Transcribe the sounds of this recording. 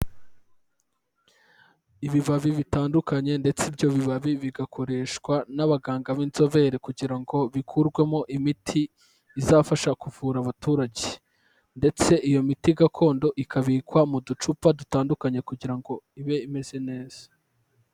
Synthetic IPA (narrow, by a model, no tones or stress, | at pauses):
iβiβaβiβitaːndukaɲe̞nde̞t͡sibɟo̞βiβaβiβiɡakʰo̞ɾe̞ːʃkwanaβaɡaːŋɡaβinzo̞βe̞ɾekuɟiɾaŋɡo̞βikʰuɾɡwe̞mo̞ʔimitʰiː | zaːfaʃakuvuːɾaβatuːɾaɟe | nde̞t͡se̞ʔijo̞mitiɡakʰo̞ːndo̞ʔikʰaβiːkwamudut͡ʃupadutaːndukaɲe̞kuɟiɾaŋɡo̞iβe̞ime̞z̥e̞ne̞ːz̥ḁ